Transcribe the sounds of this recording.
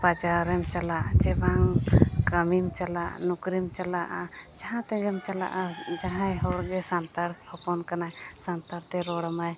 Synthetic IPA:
pad͡ʒaɾɛmt͡ʃalaʔd͡ʒɛbaŋkəmimt͡ʃalaʔnukɾimt͡ʃalaʔad͡ʒaɦãt̪ɛɡɛmt͡ʃala̰ʔad͡ʒaɦãjɦɔɽɡɛsant̪aɾhɔpɔnkanajsant̪aɾt̪ɛɾɔɽamaj

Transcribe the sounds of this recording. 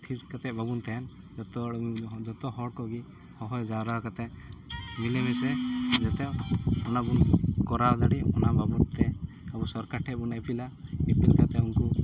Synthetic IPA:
t̪ʰiʈkat̪ɛʔbabunt̪ɛɛn | d͡ʒɔt̪ɔd͡ʒɔt̪ɔɦɔɽkɔɡi | hɔɦɔjd͡ʒaɾakat̪ɛ | milɛmɛsɛd͡ʒat̪ɛɔnabunkɔɾad̪aɽiɔnababunt̪ɛ | abusɔɾkaʈʰɛbunapilaipilkat̪ɛunku

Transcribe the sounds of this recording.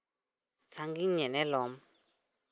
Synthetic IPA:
t͡saŋɡiɲɛ̃nɛ̃lɔm

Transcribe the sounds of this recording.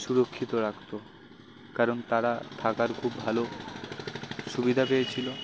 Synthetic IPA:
ʃuɾokʰːit̪oɾakt̪o | kaɾont̪aɾat̪ʰakaɾkʰubːʱalo | ʃubid̪ʱapejet͡ɕʰilo

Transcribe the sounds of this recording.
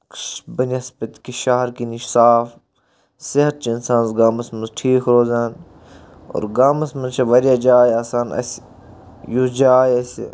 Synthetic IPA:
kʃbənɐsbɐt̪kiʃaːɦɐɾkiniʃsaːf | sɪɦɐt̪̚t͡ʃiinsãːnzɡaːmɐsmɐnzʈʰiːkʰɾoːzaːn | o̰ːɾɡaːmɐsmɐnzt͡ʃʰɐʋɐɾijad͡ʒaːjaːsaːnɐ̰s | jud͡ʒaːjɐsḭ

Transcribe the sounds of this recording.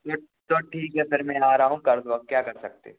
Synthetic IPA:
t̪o | t̪oʈʰiːkɦɛpɪɾmɛ̃ːaːɾaɦũkɐɾd̪oʋɐkkjaːkɐɾsɐk̚t̪ḛ

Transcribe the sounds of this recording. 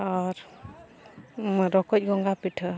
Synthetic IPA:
aɾ | ɾɔkɔc̚ɡɔŋɡapiʈʰɯ

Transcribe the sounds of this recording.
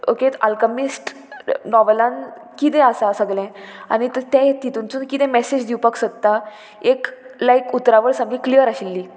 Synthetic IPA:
o̰kea̰lkəmisʈ | nɔʋelãn | kit̪̬ɛ̃əsasəɡlɛ̃a̰ɽ̃it̪t̪ɛ̃t̪it̪unt͡suːnkit̪ɛ̃mɛsed͡ʑd̪iupaksət̪ːa | eklaikut̪ɾaʋəɾsãŋɡĩklijəɾaɕilːiː

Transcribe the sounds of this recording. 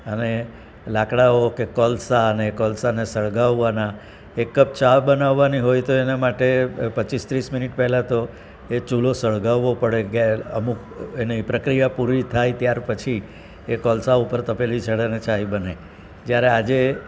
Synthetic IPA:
əne | lakɽaokekɔlsaənekɔlsanesəɭɡaʋːana | ekːəp̚t͡ʃabənaʋːaniɦojt̪oenamaʈepət͡ʃist̪ɾisminiʈpɛɦlat̪o | et͡ʃulosəɭɡaʋːopəɽeɡə̰muk | enipɾəkɾijapuɾʋit̪ʰajt̪jaɾpət͡ʃʰi | ekɔlsaupəɾt̪əpelit͡ʃʰəɽenet͡ʃaibəne | d͡ʒjaɾead͡ʒe

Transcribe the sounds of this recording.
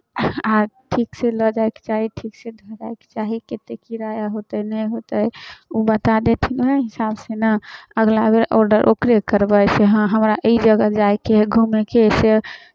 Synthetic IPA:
aʈʰikseləd͡ʒajke̥t͡ʃaɦiʈʰiksed̪ʱəɾaeke̥t͡ʃaɦiket̪ekiɾajaɦot̪ənəjɦot̪əjubət̪ad̪et̪ʰinɦɛɦisabsenəəɡlabeɾɔɾɖəɾʔokɾekəɾbəjseɦə̃ɦəmɾaʔəid͡ʒəɡəd͡ʒajkeɡʱumekese

